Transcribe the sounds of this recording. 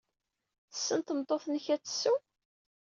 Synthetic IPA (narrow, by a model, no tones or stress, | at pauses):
θəsːənt̪əmt̪ˤːoθnəçæt͡sːsːu